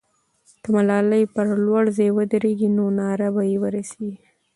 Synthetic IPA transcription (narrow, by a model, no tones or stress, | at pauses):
d̪̥əmalɑləjpəɾlwaɽzɑjwəd̪əɾeɡinonɑɾabajewəɾaseɡi